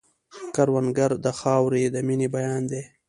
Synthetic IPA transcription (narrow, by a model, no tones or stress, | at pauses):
kaɾwanɡaɾd̪əxɑwɾid̪əminibajɑnd̪e